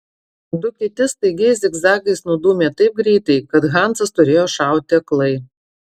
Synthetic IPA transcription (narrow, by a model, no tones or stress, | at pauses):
d̪ʊkʲɪt̪ʲɪst̪ɐɪɡʲɛɪsd̪ʲɛɡzɑːɡʲɐɪsnʊd̪uːmʲeːt̪ɐɪp̚ɡɾʲɛɪt̪ɐɪkɐt̪ɣɑˑnt̪sɐst̪ʊɾʲeːjoːʃɑˑʊt̪ʲɪɐklˠɐɪ